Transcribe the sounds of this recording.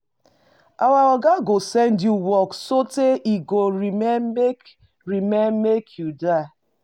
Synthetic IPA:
ʔawaɔɡaɡosɛ̃ndjuwɔksoteiɡoɹimɛek | ɹimɛnmekʰjudaɪ

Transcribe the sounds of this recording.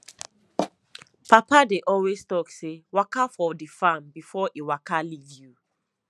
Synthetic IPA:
papadeʔɔlwestɔksewakafɔdifãmbifɔʔiwakalivju

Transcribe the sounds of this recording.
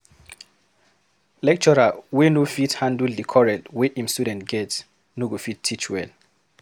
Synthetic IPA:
lɛk̚t͡ʃɔɹawenofithãnduldikʰɔɹɛ̃tweʔĩmstudɛ̃ntɡɛt | nuɡofittʰːit͡ʃwɛ̰l

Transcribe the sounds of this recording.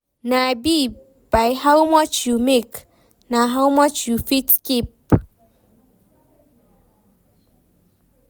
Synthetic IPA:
nabi | b̥aɪhaʊmɔt͡ʃjumek | naɦaʊmɔt͡ʃjufitkip̚

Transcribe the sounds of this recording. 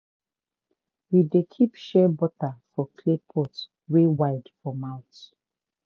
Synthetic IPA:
widekʰipʃɛbɔtafɔkʰlepʰɔt | wewaɪdfɔmãʊ̃nt

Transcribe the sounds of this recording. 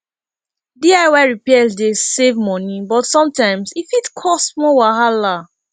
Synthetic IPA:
diaɪwaɹipɛsdesevmɔ̃nibɔtsɔ̃mtãɪ̃msifitkʰɔstmɔwaɦala

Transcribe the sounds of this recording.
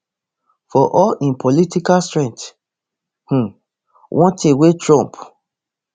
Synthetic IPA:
fɔʔɔlĩnpʰolitikastɹɛ̃nt | h̩ | wʔɔ̃ntʰẽwetɹɔ̃mp

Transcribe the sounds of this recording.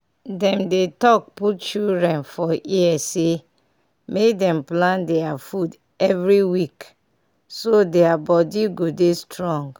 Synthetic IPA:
dɛ̃mdetɔk̚putt͡ʃildɹɛ̃nfɔiɛse | mekdɛ̃mplãndɛafud | ɛvɹiwik | sodɛabɔdiɡodestɹɔ̃ŋɡ

